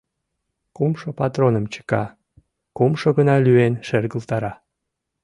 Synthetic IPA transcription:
kumʃopɑt̪ronəmt͡ɕə̥kɑ | kumʃoɣənɑlyenʃerɣəlt̪ɑɾɑ

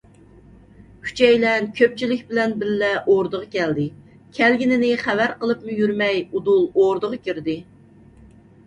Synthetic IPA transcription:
kʲʰy̥t͡ʃʰɛjlɛnkʲʰøp̚t͡ʃʰilɪkʲbɪlɛnbɪɾlɛʔoɾd̪əʁɑkʲʰɛld̪ɪ | kʲʰɛlɡʲinɪnɪχævæɾqəlˠɨpmujyɾmɛjud̪ulˠoɾd̪əʁɑkʲyɾd̪ɪ

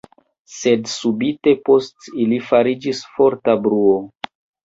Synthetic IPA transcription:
se̞dsubite̞po̞stilifaɾid͡ʒisfo̞ɾtabɾuo

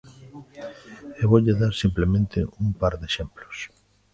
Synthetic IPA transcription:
eβoʎeðaɾsimplemẽnt̪ɪ̰umpaɾðeʃemplos

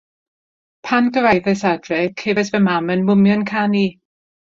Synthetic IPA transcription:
pʰanɡəvɛjðɛsadrɛkʰevɛsvɛmamənmʊmjɔnkʰani

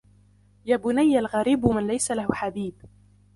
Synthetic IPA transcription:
jaːbʊnajːalɣaɾiːbmɪnlajsalahħad̪iːb

